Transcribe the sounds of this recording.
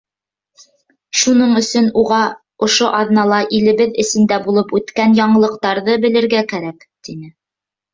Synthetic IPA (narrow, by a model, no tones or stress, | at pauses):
ʃunɤɴɵ̆sɵnuʁɑ | ŏʃoʔɑðnɑlˠɑʔilɘ̆βɘðɘ̆sɘ̆nd̪æbulˠɤpʉt̪kænjɑɴɤ̆lˠɤ̆qt̪ɑɾðɤbɘ̆lɘ̆ɾɡækæɾæk | t̪inɘ